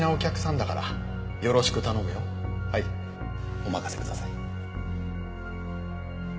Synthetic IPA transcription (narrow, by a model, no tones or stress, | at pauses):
nao̞kʲakɯ̟sãnd̪akaɾa̰ | jo̞ɾo̞ɕi̥kɯ̟t̪ano̞mɯ̟jo̞ | hai | o̞makase̞kɯ̟d̪asai